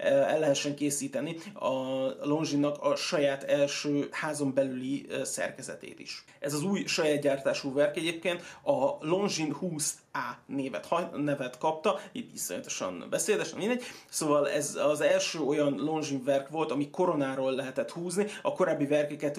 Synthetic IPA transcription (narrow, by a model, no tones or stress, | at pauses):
ɛ̰lːɛɦɛʃːɛŋkeːsiːt̪ɛniɒlo̞nʒinːɒkɒʃɒjaːt̪ɛlʃøːhaːzo̞mbɛlylisɛ̰rkɛzɛ̰t̪ḛːt̪ḭʃ | ɛzɒzuːjʃɒjaːd̪̚ɟaːrt̪aːʃuːvɛrkɛɟeːp̚keːnt̪ɒlo̞nʒinhuːs | aːneːvɛ̰t̪hɒnɛvɛt̪kɒp̚t̪ɒit̪viso̰ɲt̪o̞̥ʃɒ̰nbɛseːd̪ɛʃɛmind̪ɛɟ̚ːsoːvɒlɛ̰zɒzɛlʃøːo̞jɒnlo̞nʒiɱvɛrkʋo̞lt̪ɒmiko̞ɾo̞naːɾoːlːɛɦɛt̪ɛt̪huːzniɒko̞ɾaːbːivɛrkɛkɛt̪